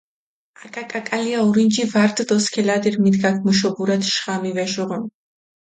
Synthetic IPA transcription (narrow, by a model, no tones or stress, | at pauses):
akʼakʼakʼaliauɾind͡ʒivaɾd̪ʼd̪ɔskʰɛlad̪iɾmid̪ɡakʰmuʃ̬ɔbuɾat̪ʃʁ̥amivɛʃɔʁɔn